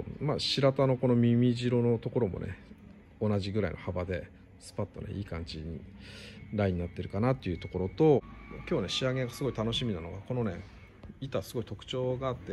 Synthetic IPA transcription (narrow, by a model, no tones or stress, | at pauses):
maɕiɾat̪ano̞ko̞no̞mʲimʲiʑiɾo̞no̞t̪o̞ko̞ɾo̞mo̞̰ne̞̰ | o̞naʑiɡɯ̟ɾaḭnʔohabad̪e̞ | sɨ̥pat̪ːo̞̰nḛʔiːkãɲ̟d͡ʑiɲḭ | ɾaiɲ̟inat̪ːe̞ɾɯ̟kanat̪ːe̞iɯ̟t̪o̞ko̞ɾo̞t̪o̞kʲo̞ːne̞ɕiaɡe̞ɡasɨɡo̞it̪ano̞ɕimʲinano̞ɡako̞no̞ne̞̰ | it̪asɨɡo̞it̪o̞kɯ̟̥t͡ɕo̞ːɡaːt̪ːe